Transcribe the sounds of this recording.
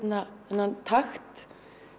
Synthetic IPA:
naɛnant̪ʰaxt̪

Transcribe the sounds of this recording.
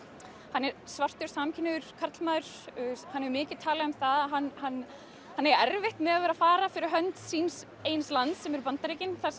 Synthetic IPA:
hanːɛɾsvar̥t̪ʏɾ̥samcʰɪnːʏʏɾ̥kʰaɾt̪lmaːðʏɾ̥hanːɛɾmɪːcɪðt̪ʰaːlaamθaðaɦanːhanː | hanːɛɾɛɾvɪht̪mɛðaðvɛːɾaðfaːɾafɪɾɪɾɦœnt̪siːns | eːjnslant̪sɛmɛɾpant̪aɾejcɪnθas

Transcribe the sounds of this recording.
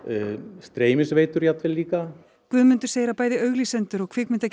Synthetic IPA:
st̪ɾeːjmɪsvejt̪ʏɾjat̪vɪliːka | kvʏðmʏnt̪ʏɾ̥seːjɾapaːjðɪœɥɣlisɛnt̪ʏɾɔɣkʰveːkmɪnt̪ac

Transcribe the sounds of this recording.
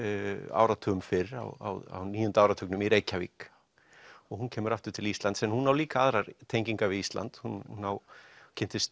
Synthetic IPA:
a̰ːwɾat̪ʰʏʏmfɪɾa̰wa̰wa̰wniːjʏnt̪aːwɾat̪ʰʏknʏmiɾeːjcavḭːk | ɔɣhuncʰɛːmʏɾaft̪ʏɾ̥t̪ʰɪlist̪lant̪sɛnhunːawliːkaaðɾaɾt̪ʰeːjɲciŋkavɪðist̪la̰nt̪hununːawcʰɛn̥t̪ɪst̪

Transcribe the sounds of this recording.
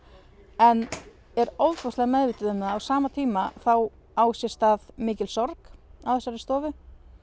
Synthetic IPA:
ɛn | ɛɾowt̪fɔslɛɣamɛðvɪːt̪ɪðɪnːaðawsaːmat̪ʰiːmaθaw | aːwsjɛst̪aðmɪːcɪlsɔɾkawθɛsːaɾɪst̪ɔːvʏ

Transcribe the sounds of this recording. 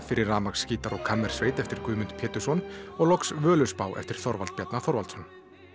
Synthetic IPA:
fɪɾɪɾaːmaksːkciːt̪aɾɔɣkʰamːɛɾ̥sveːjt̪ɛft̪ɪɾ̥kʏːmʏnt̪pʰjɛːt̪ʏ̥sɔnɔɣlɔksvœːlʏspaːwʔɛ̰ft̪ɪɾ̥θɔɾvalt̪pjɛt̪naθɔɾvalsɔn

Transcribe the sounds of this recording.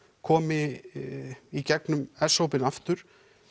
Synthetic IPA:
kʰɔːmɪ | icɛknʏmɛsowpɪnaft̪ʏɾ̥

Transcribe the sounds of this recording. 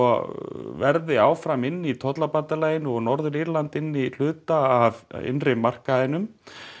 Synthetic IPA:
ɔvɛɾðɪaːwfɾamɪnːit̪ʰɔt̪lapant̪alaːjɪnɔɣnɔɾðʏɾiɾlant̪ɪnːil̥ʏːt̪aavɪ̰nrɪmar̥kaðɪnʏm

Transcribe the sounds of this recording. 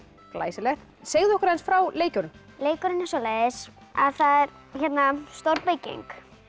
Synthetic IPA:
kla̰ːjsɪlɛxt̪ | seːɣðʏɔhkʏɾhɛnsfɾawleːjcʏɾʏm | leːjkʏɾɪnɪnsɔleːjðɪs | a̰ðθaðɛɾ | çɛt̪nast̪oɾpejcḛjŋk

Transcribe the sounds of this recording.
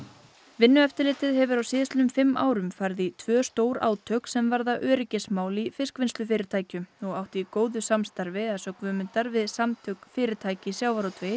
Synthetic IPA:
vɪnːʏɛft̪ɪɾlɪːt̪ɪðɦɛvʏɾawsɪːðɪst̪lʏmfɪmːʔa̰ːwɾʏmfajɾðit̪ʰvœːst̪oːwɾa̰ːwt̪ʰœksɛmvaɾðaʔœːɾɪcɪsmaːwlifɪskvɪnst̪ʏfɪːɾɪɾt̪ʰaːjcʏmɔɣawht̪ɪikoːwðʏsamst̪aɾvɪaðsœːkvʏmʏnt̪aɾvɪðsamt̪ʰœkfɪːɾɪɾt̪ʰaːjcɪsjaːwvaɾot̪ʰvej

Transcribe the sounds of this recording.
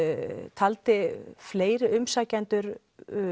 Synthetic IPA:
t̪ʰalt̪ɪfleːjɾɪʏmsaːcant̪ʏɾ

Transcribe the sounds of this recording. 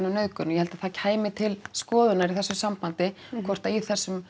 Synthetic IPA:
naneðkʏnjɛhɛlt̪aðθaðcʰaːjmɪt̪ʰɪlskɔːðʏnaɾiθɛsːʏsampant̪ɪ | kʰvɔr̥t̪aiθɛsːʏm

